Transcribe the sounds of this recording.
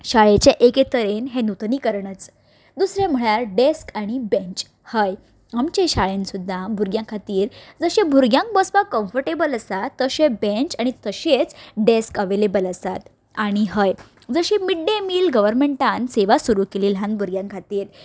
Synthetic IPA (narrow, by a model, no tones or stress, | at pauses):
ɕaɭet͡ɕeʔeket̪əɾenɦenut̪niːkəɾɳət͡s | d̪usɾẽm̤əɭaɾɖeskaɽ̃ibẽɲt͡ɕ | həj | amt͡ɕẽɕaɭensud̪ʱːabʱuɾɡjãkʰat̪iːɾd͡zəɕẽbʱuɾɡjãŋk̚bəspakə̃mfəɾʈebələsat̪ːəɕẽbẽɲt͡ɕaɽ̃it̪əɕet͡sɖeskəʋelebələsat̪ | aɽ̃iɦəj | d͡zəɕemiɖːemiːlɡəʋəɾmẽɳʈãnseʋasuɾukeliːlɦãnbʱuɾɡjãŋkʰat̪iːɾ